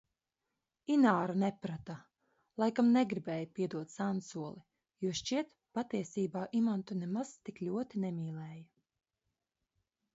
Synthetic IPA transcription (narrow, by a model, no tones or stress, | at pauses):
inaːɾanɛpɾat̪a | lˠajkamnɛɡɾibɛːjapʲiɛd̪uɔt̪sansuɔlˠi | juɔʃt͡ʃiɛt̪ | pat̪iɛsiːbaːʔimant̪unɛmaz̥t̪iklʲuɔt̪inɛmʲiːlˠɛːja